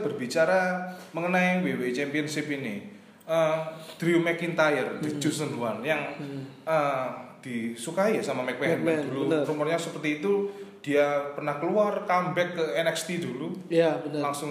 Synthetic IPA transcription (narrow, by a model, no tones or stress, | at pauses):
b̥ərbit͡ʃaɾaməŋənaiwewet͡ʃɛmpiɔnsipini | əd̪̥ɾiumɛkint̪ajərd̥̪id͡ʒusənduanjaŋəd̪̥isukaijasamamɛk̚wɛnd̪̥uluɾumərɲasəpərt̪iːt̪ud̪̥iapərnahkəluarkambɛkːəɛnɛkst̪id̪ulujabəlaŋsʊŋ